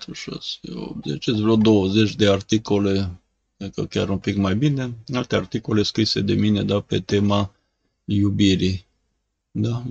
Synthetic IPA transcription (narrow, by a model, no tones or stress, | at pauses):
t̪uʃa̰seo̰bzet͡ʃesvɾod̪o̞wəze̞t͡ʃʲd̪e̞art̪iko̞le̞ | ekəkʲaɾunpikmajbine̞alt̪e̞art̪iko̞le̞skɾised̪e̞mine̞d̪ape̞t̪e̞ma | jubiɾi | d̪a